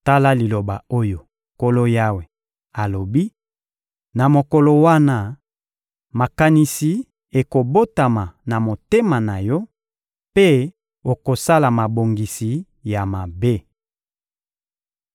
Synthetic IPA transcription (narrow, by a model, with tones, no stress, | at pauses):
ta˦la˦li˨lo˨ba˨o˦jo˨ | ko˦lo˦ja˦we˨ | a˨lo˨bi˦ | na˨mo˨ko˨lo˨wa˦na˦ | ma˨ka˨ni˨si˨ | e˨ko˨bo˦ta˨ma˨na˨mo˨te˦ma˨na˨jɔ˦ | pe˦ | o˨ko˨sa˦la˨ma˨bo˨ŋɡi˨si˨ | ja˨ma˨be˦